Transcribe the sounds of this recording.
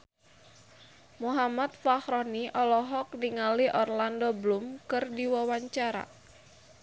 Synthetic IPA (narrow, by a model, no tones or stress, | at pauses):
muɦamat̪̚fahɾɔniʔɔlɔɦɔk̚niŋaliʔɔrlandɔblumkɨrdiwawaɲt͡ʃaɾa̰